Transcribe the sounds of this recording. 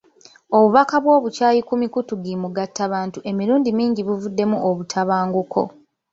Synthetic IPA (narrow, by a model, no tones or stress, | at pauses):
o̞βuβakaβwo̞ːβucaːjikumikutuɡimuɡatːaβaːntuʔe̞miɾuːndimiːɲɟiβuvudːe̞muʔoβutʰaβaːŋɡukʰo̞̰